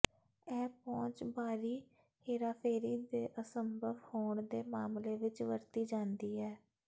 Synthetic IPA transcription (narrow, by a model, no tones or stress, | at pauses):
ɛːpɔ̃ːt͡ʃbaːɾiː | heːɾaːpʰeːɾiːd̪eːʔəsəmbʱəʋhoːɳd̪eːmaːmleːʋɪt͡ʃʋəɾt̪iːd͡ʒãːnd̪iːɦɛː